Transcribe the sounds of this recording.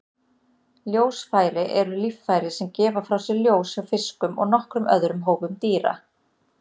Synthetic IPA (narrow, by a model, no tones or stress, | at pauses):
ljoːwsfaːjɾɪʔɛɾʏlifːajɾɪsɛmcɛːvafɾawsɛɾljoːwsawfɪskʏmɔ̰ɣnɔhkɾʏmʔœ̰ðɾʏmɦoːwvʏmt̪iːɾa̰